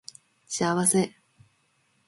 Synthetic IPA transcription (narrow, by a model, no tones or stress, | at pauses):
ɕiaβase̞